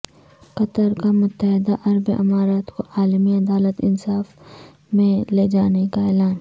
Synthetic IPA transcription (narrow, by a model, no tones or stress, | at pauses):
qɐt̪əɾkamʊt̪ːəɦɪd̪aʔɐɾbeʔɐ̰maːɾaːt̪koʔaːlmiɐd̪aːlət̪ɪ̰nsaːf | mẽled͡ʒaːnekaeːlaːn